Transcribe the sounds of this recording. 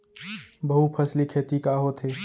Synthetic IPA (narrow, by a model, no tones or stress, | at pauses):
bɐɦupʰɐslikʰeːt̪ikaːɦot̪ʰɦeː